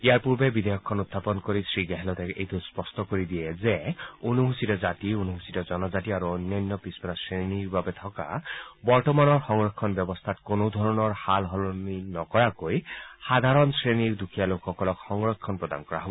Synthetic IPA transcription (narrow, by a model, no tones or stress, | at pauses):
ijaɹpuɹbebid̪ɔjɔkʰːɔnut̪ːapɔnkoɾisɹiɡɛɦɛlɔt̪ekḛjt̪uspɔstɔkoɾid̪iezeonuɦusitɔzat̪ionuɦusitɔzɔnɔzatiaɾuonːɔjnːɔpispɔɾasɹeniɹbabet̪ʰɔka̰bɔɹtɔmanɔɹxɔŋɹɔkʰːɔnbjɔbɔst̪ʰat̪konod̪ʱɔɹɔnɔɹhalɦɔlɔninɔkɔɹakojhad̪ʱaɾɔnsɹeniɹd̪ukʰijalokxɔkɔlɔkxɔŋɹɔkʰːɔnpɹɔd̪a̰nkɔɾa̰ɦɔbɔ